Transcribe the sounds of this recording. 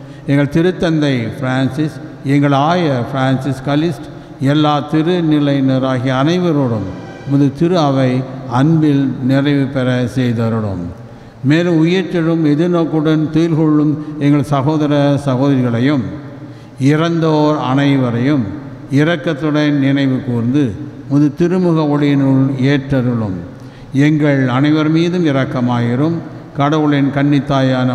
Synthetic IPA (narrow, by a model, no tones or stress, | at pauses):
ɛŋɡɐɭt̪ɪɾɯt̪ːɐnd̪ɐɪfɾaːnsɪsɛŋɡɐɭaːjɐfɾaːnsɪskɐlɪsʈ | ɛlːaːt̪ɪɾɯnɪlɐɪnɐɾaːɣiɐnɐɪʋɐɾɯɽɯm | mʊðɯt̪ɪɾɯɐʋɐɪɐnbɪlnɪrɐɪʋɯpɛɾɐsɛjðɐɾɯɽɯ̰mː | eːlɯmʊjɐʈːɪɾɯmɛðɯnoːkːɯɽɐnt̪iːlɣɔɭːɯmɛŋɡɐɭsɐɣoːðɐɾɐsɐɣoːðɐɾɪɣɐɭɐjɯm | ɪɾɐnd̪oːɾɐ̰ɳɐɪʋɐɾɐjɯm | ɪɾɐkːɐt̪ːɯɽɐɪnnɪnɐɪʋɯkuːɾnd̪ɯmʊðɯt̪ɪɾɯmɯɣɐɔɭɪjɪnɯɭeːʈɾɐɾɯɭɯm | ɛŋɡɐɭɐnɐɪʋɐɾmiːðɯmɪɾɐkːɐmaːjɪɾɯm | kɐɽɐʋɯɭɪnkɐɳːɪt̪ːaːjaːnɐ